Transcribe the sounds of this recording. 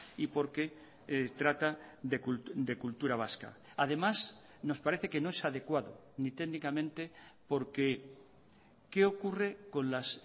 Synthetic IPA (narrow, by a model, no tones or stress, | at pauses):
ipo̞ɾke | t̪ɾat̪aðekuld̪e̞kult̪uɾaβ̞aska̰ | að̞e̞mas | no̞spaɾe̞θe̞kenoesað̞e̞kwaðo | nit̪eɣnikamẽnt̪e̞po̞ɾke | ke̞o̞kure̞ko̞nlas